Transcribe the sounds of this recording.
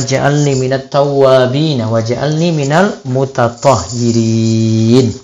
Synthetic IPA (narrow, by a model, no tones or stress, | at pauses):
d͡ʒaʔa̰lniːmɪnat̪ːɑwːaːbiːnawad͡ʒaʔa̰lniːmɪnalmʊt̪ɑt̪ˤɑhɪɾi | n